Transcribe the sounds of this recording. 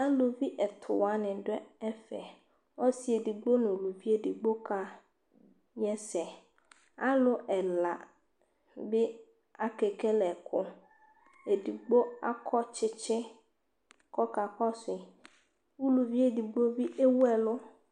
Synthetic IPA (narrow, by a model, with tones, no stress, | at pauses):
a˦lo˨vi˦ʔɛ˨t̪ʰʊ˨wa˨˦nɪ̃˨ɖɛ˦ɛ˦fɛ̰˨ | ɔ˦si˦e˨di˨ɡ͡bo˦nʊ̃˨lu˨vi˦e˦di˨ɡ͡bo˦ka˦ | ɲɛ˦sɛ˨ | a˦lʊ˦ʔɛ˨la˨ | bɪ˦ | a˨ke˨ke˦lɛ˨kʰʊ˦ | e˨di˨ɡ͡bo˦a̰˦kʰɔ˦t͡ʃɪ˦t͡ʃɪ˦ | kɔ˦ka˨kɔ˦sɪ˨ | u˦lu˨vi˦e˦di˨ɡ͡blo˦vi˦ʔe˦wɛ˨lʊ˦